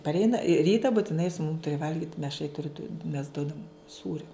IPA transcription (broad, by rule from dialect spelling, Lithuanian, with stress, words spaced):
pɐrʲˈɛɪnɐ ˈrʲiːtɐ bʊtʲɪˈnɐɪ sʊ mʊm ˈtʊrʲɪ ˈʋɐlʲɡʲɪt mʲɛʃ ɐɪ tʊrʲɪ dʊ mʲɛs ˈduɔdɐm ˈsuːrʲoː